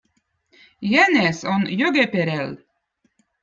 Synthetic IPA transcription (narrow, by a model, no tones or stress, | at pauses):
jænesonjøɡepeɾel